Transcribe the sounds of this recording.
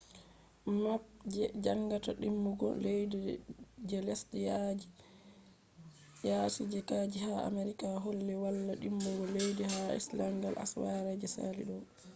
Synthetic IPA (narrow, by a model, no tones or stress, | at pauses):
map̚d͡ʒɛd͡ʒaŋɡataɗimːuɡɔ̰lejdid͡ʒɛlɛsɗɛjad͡ʒi | jaːsud͡ʒɛkaːd͡ʒihaa̰meɾikaɦolːɛwalːaɗimːuɡɔlejdihaḭslaŋɡalʔa̰swaɾad͡ʒɛsa̰lḭɗɔ